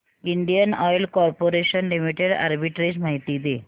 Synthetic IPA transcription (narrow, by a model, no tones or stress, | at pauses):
iɳɖijənɔjlkɔɾpoɾeɕənlimiʈeɽa̰ɾbiʈɾed͡ʑmaɦit̪iːd̪e